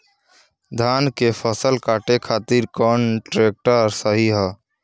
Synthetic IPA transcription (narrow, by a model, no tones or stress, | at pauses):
d̪ʱaːnkepʰəsəlkaːʈekʰat̪iɾkɔnʈɾek̚ʈəɾsəɦiɦɛ